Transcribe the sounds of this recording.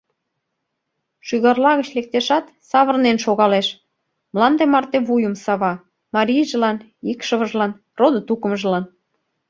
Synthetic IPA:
ʃyɣɑrlɑɣə̆t͡ɕlek̚t̪eʃɑt̪ | sɑβə̆rnenʃoɣɑleʃ | mlɑnd̪emɑrt̪eβujəmsɑβɑ | mɑɾʲijʒə̆lɑn | ikʃə̆βə̆ʒlɑn | rod̪ə̆t̪ukə̆mʒəlɑn

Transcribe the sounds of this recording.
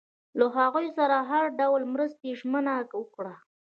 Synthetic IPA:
laɦaɣujsaɾaɦaɾɖawlmɾəst̪eʒmənawəkɽa

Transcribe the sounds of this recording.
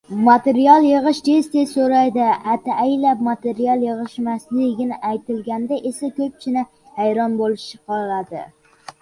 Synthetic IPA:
mat̪eɾijɑlˠjɨʁɨʃd̪ʰest̪esoɾajd̪ɪat̪ʰaʔajlap̚mat̪ʰeɾiɑlˠjɨʁɨʃmaslɪɡʲɪnɪʔajt̪ɪlɡʲand̪aʔesakʰʲɵp̚t͡ʃʰɪnɪ | hajɾɒnbolɪʃt͡ʃɪqʰɑad̪ɪ̰

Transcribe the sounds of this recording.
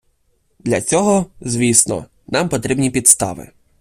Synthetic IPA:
d̪lʲɐt͡sʲɔɦɔzʋʲisnɔ̰ | nɑmpɔt̪ɾʲibnʲipʲid̪st̪ɑ̰ʋɪ̰

